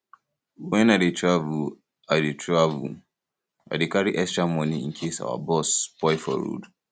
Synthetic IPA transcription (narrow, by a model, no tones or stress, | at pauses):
wɛnaditavu | aditɹavṵ | a̰dikaɾiʔɛstɹamɔniiŋ̩kʰesa̰wa̰bɔspɔifɔ̰ɾṵd